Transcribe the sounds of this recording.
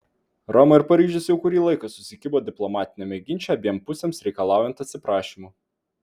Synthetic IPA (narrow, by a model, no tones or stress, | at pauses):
ɾɔmɐɪɾpɐɾʲiːʒʲʊsjɛʊkʊɾʲiːlˠɐɪkɐsʊsʲɪkʲɪboːd̪ʲɪplˠɔmɑːt̪ʲɪnʲemʲɛɡʲɪnʲt͡ʃʲɛɐbʲiːɛmpʊsʲeːmsɾʲɛɪkɐlˠɑˑʊjɛnt̪ɐt̪ʲsʲɪpɾɑːʃʲiːmuː